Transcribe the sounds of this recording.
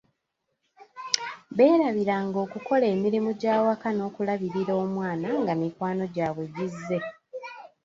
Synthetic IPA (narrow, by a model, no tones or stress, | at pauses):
βe̞ːɾaβiɾaŋɡo̞ːkuko̞le̞ːmiɾimuɟaːwakano̞ːkulaβiɾiɾo̞ːmwaːnaŋɡamikwaːno̞ɟaːβwe̞ɟizːe̞